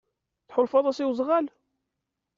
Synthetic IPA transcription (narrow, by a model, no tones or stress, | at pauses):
θħolfɑðˤɑsiwzˤʁæl